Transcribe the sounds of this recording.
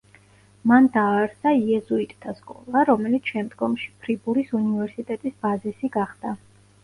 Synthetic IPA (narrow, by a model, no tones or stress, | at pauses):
mand̪aːɾsaiɛzuit̪ʼt̪ʰːaskʼɔ̰lˠaɾɔmɛlit̪sʰʃɛmd̪ɡɔmʃipʰɾibuɾisunivɛɾsit̪ʼɛt̪ʼisbazisiɡaχd̪̥a